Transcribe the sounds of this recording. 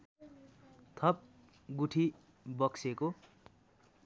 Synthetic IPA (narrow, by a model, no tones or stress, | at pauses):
t̪ʰʌp̚ | ɡuʈʰi | bʌkseko